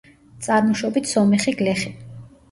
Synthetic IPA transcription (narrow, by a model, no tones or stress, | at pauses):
t̪sʼaɾmɔʃɔbit̪ʰsɔmɛχiɡlɛχi